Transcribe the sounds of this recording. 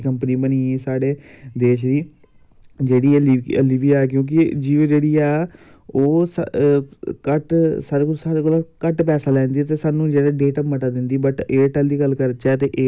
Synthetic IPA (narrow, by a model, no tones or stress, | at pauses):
kəmpəniːbəniːesaːɽeːd̪eːʃd̪iː | d͡ʒeːɽiːiə̰liːʋiːɛːk̬jõːk̬ɪd͡ʒiːʋeːd͡ʒeːɽiːɛː | oːs | kəʈsaːɾeːkolsaːɽeːkoːlakəʈpɛːsaːlɛ̃ːnd̪iːɛt̪̬eːsaːnũːd͡ʒɛːɽeːɖeːʈəməʈaːd̪ɪnd̪iːbəʈeːʈɛːld̪iːɡəlːkəɾət͡ʃɛːt̪eːʔeː